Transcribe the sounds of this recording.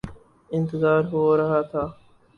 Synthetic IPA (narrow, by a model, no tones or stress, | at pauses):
ɪnt̪ɪzaːɾɦoːɾɐɦaːt̪ʰaː